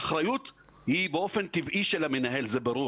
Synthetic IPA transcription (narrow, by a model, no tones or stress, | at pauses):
χɾajut̪ | hibeʔo̞fe̞nt̪ivʔiʃelamenaɦe̞lzebaɾu